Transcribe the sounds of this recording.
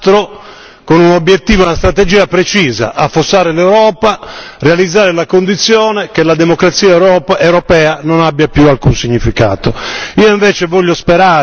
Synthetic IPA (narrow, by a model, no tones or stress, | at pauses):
t̪ɾo | konunobjet̪ːiːvounast̪ɾat̪ed͡ʒiːapɾet͡ʃiːza̰ʔafːosːaːɾelewɾɔːparealid̪zːaːɾelakond̪it̪sːjɔːnek̟elad̪emokɾat̪siːaewɾɔpaewɾɔpɛːanonabːjapjualkunsiɲːifika̰ːt̪oiːoiɱvɛːt͡ʃevɔʎːospeɾaː